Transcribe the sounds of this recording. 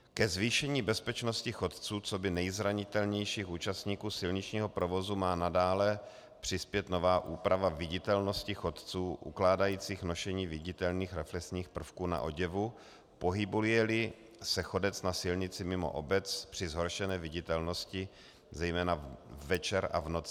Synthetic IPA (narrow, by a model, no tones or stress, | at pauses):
kɛzviːʃɛɲiːbɛspɛt͡ʃno̞scɪxo̞t̪t͡suːt͡so̞bɪnɛjzɾaɲɪt̪ɛlɲɛjʃiːxuːt͡ʃast̪ɲiːkuːsɪlɲɪt͡ʃɲiːɦo̞pɾo̞vo̞zumaːnadaːlɛ | pr̝̥ɪspjɛt̪no̞vaːʔuːpɾavavɪɟɪt̪ɛlno̞scɪxo̞t̪t͡suːʔṵklaːdajiːt͡siːxno̞ʃɛɲiːvɪɟɪt̪ɛlniːxɾɛflɛksɲiːxpr̩fkuːna̰ʔo̞ɟɛvu | po̞ɦɪbuljɛlɪ | sɛxo̞dɛt͡snasɪlɲɪt͡sɪmɪmo̰ʔobɛt͡spr̥ɪzɦo̞ɾʃɛnɛːvɪɟɪt̪ɛlno̞scɪ | zɛjmɛːnavɛt͡ʃɛɾa̰vnot͡sɪ